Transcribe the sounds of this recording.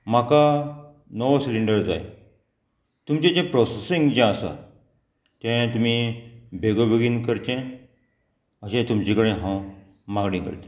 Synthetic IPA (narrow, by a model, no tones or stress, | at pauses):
m̤aka | nɔʋsiliɳɖəɾd͡za̰j | t̪umt͡ɕẽd͡ʑẽpɾɔsesiŋɡd͡ʑɛ̃əsa̰ | t̪ɛ̃t̪um̤ibʱeɡobeɡiːnkəɾt̪ẽ | əɕẽt̪umt͡ɕĩkəɽẽɦã | maɡɽĩːkə̰ɾt̪ẽ̥